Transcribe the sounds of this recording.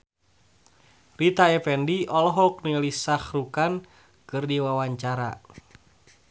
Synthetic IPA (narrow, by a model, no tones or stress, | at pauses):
rit̪aɛpɛndiʔɔlɦɔk̚nilisaxrukan | kɨrdiwawaɲt͡ʃaɾa̰